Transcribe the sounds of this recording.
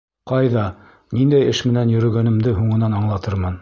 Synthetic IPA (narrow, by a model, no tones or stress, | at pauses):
qɑjðɑ | nind̪æjɘʃmɘ̆nænjɵ̆ɾɵ̆ɡænɘ̆md̪ɘɦuɴɤ̆nɑnɑɴlˠɑt̪ɤɾmɤn